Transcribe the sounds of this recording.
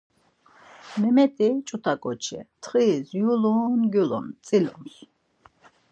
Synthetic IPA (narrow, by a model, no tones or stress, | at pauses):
mɛmɛt̪ʼit͡ʃʼut̪ʰakʼɔt͡ʃʰɛ̰t̪ʰχiːzjuluːnɡjulɔ̰mt̪t͡s̪ʼilɔ̰ms